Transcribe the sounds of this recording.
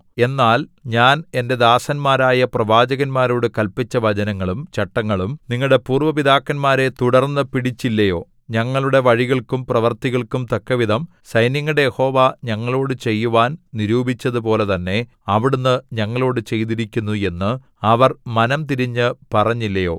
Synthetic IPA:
e̞nːaːlɲaːne̞nde̞d̪aːsɐnmaːɾaːjɐprɐʋaːd͡ʑɐɣɐnmaːɾo̞ːɽɨkɐlpit͡ɕːɐʋɐd͡ʑɐnɐŋːɐɭumt͡ɕɐʈːɐŋːɐɭumniŋːɐɭɽe̞puːrʋɐpid̪aːkːɐnmaːɾe̞t̪uɽɐrnːɨpiɽit͡ɕːilːɐjo̞ː | ɲɐŋːɐɭuɽe̞ʋɐɻiɣɐɭkumprɐʋɐrt̪iɣɐɭkumt̪ɐkːɐʋid̪ʱɐm | sɐjnjɐŋːɐɽejeho̞ːʋaɲɐŋːɐɭo̞ːɽɨt͡ɕe̞jːuʋaːnniɾuːbʱit͡ɕːɐðɨp̬o̞ːle̞t̪ɐnːe̞ | ɐʋiɽunːɨɲɐŋːɐɭo̞ːɽɨt͡ɕe̞jt̪iɾikʲːunːue̞nːɨ | ɐʋɐrmɐnɐmt̪iɾiɲːɨpɐrɐɲːilːɐjo̞ː

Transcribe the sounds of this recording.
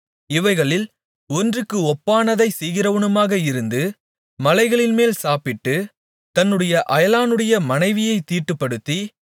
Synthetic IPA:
ɪʋɐɪɣɐɭɪl | ɔndrɯkːɯɔpːaːnɐðɐɪsɛjɣɪɾɐʋɯɳɯmaːɣɐɪɾɯnd̪ɯ | mɐlɐɪɣɐɭɪnmeːlsaːpɪʈːɯ | t̪ɐnːɯɽɐjɐʔɐjɐlaːnɯɽɐjɐmɐnɐɪʋɪjɐɪt̪ːiːʈːɯpːɐɽɯt̪ːi

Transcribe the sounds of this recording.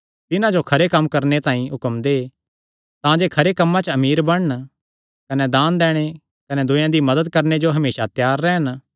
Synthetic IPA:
t̪ɪnãd͡ʒokʰɐɾekɐmkɐɾnet̪ãːĩɦʊkəmd̪e | t̪ãd͡ʒeːkʰɐɾekɐmːãt͡ʃɐmiːɾbɐɽ̃ɳ | kɐnɛd̪ãːnd̪ɛːɽ̃e | kɐnɛd̪ʊjãd̪imɐd̪əd̪̚kɐɾned͡ʒoɦɐmeːʃat̪jaːɾːɛːɦən

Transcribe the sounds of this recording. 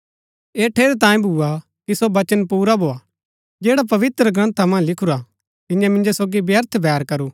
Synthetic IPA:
eːʈʰeːɾt̪ãːĩbʱuːa | kisobɐt͡ʃənpuːɾabʱoːaː | d͡ʒeːɽap̬ɐʋɪt̪ɾəɡɾɐ̃nt̪ʰamɐ̃nlɪkʰʊɾa | t̪ɪ̃jãmɪ̃nd͡ʒosoːɡibjəɾt̪ʰbʱɛːɾkɐɾuː

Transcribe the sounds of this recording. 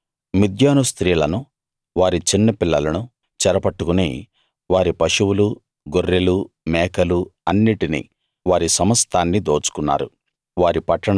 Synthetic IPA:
mid̪ʱjaːnust̪ɾiːlɐnu | ʋaːɾit͡ʃinːɐpilːɐlɐnu | t͡ʃɛɾɐpɐʈːukunḭː | ʋaːɾipɐʂuwulu | ɡoɾːelu | mɛːkɐluɐnːiʈinḭː | ʋaːɾisɐmɐst̪ʰaːnːid̪oːt͡ʃu̥kunːa̰ːɾṵ | ʋaːɾipɐʈːɐɳ

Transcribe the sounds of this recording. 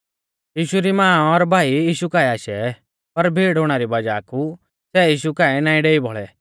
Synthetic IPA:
jiːʃuɾimãːɔɾbʱaːijiːʃukaːɛaːʃɛ | pɐɾbʱeːɽoɽ̃aɾibɐd͡ʒaːku | sɛːjiːʃ̬ukaːɛnaːĩɖeːibʱɔɭɛ

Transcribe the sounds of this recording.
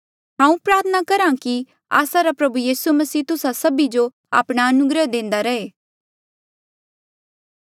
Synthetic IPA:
ɦãːũpɾaːɾt̪ʰənakɐɾãki | a̰ːsaɾapɾɐbujiːsumɐsiːt̪ʊsasɐbid͡ʒo | a̰ːpɽ̃aɐnʊɡɾəd̪ẽːnd̪aɾɐeː

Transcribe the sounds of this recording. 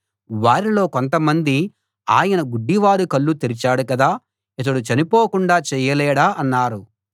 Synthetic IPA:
ʋaːɾilo̞ːkont̪ɐmɐnd̪i | aːjɐnɐɡuɖːiʋaːɾukɐɭːut̪iɾit͡ʃaːɽukɐd̪aː | it̪̬ɐɽut͡ʃɐnipoːkuɳɖaːt͡ʃɛːjɐlɛːɽaːʔɐnːaːɾu

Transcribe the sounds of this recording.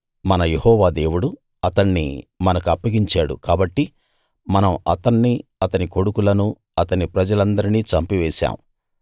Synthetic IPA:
mɐnɐje̞hɔːʋaːd̪eːwuɽu | ɐt̪ɐɳːḭmɐnɐkuɐpːɐɡiɲt͡ʃaːɽṵkaːbɐʈːi | mɐnɐmɐ̰t̪ɐɳːiɐt̪ɐniko̞ɽukulɐnu | ɐt̪ɐnipɾɐd͡ʒɐlɐnd̪ɐɾiniːt͡ʃɐmpiʋɛːʃa̰ːmṵ

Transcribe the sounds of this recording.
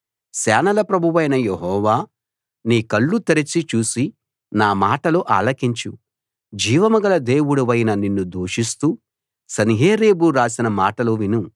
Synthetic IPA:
sɛːnɐlɐpɾɐbʱuʋɐjnɐjeɦɔːʋaː | niːkɐɭːut̪ɐɾɐt͡ʃːit͡ʃuːsi | naːmaːʈɐloːʔa̰ːlɐkiɲt͡ʃṵ | d͡ʒiːʋɐmɐɡɐlɐd̪e̞ːwuɽuʋɐjnɐninːud̪oːʂist̪uː | sɐniɦeːɾe̞ːbuɾaːsinɐmaːʈɐloʋinu

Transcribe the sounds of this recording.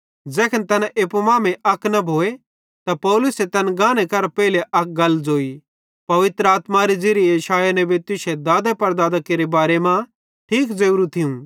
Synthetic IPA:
d͡zɛːkʰɐnt̪ɐnaʔeːpomaːmẽʔɐknɐbʱoːe | t̪apɔːlʊset̪ɐnɡãːñekɐɾpɛːɪleʔɐk̚ɡɐlːd͡zoːi | pɐʋɪt̪ɾəaːt̪maɾid͡ʒeːɾijɐʃaːjanɛ̃bet̪ʊʃed̪aːd̪epɐɾd̪aːd̪akeːɾebaːɾemã | ʈʰiːkd͡ʒɐuɾũt̪ʰɪũ

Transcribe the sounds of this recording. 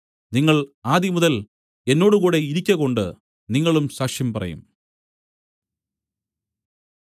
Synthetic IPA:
niŋːɐɭaːd̪imuðɐl | e̞nːo̞ːɽukuːɽe̞iɾikʲːɐɣo̞ɳɖɨ̰ | niŋːɐɭumɕaːkʂjɐmpɐrɐ̰jṵm

